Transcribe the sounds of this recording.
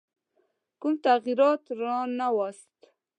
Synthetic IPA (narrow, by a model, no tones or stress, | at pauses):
kumt̪aɣiɾɑt̪ɾɑnawast̪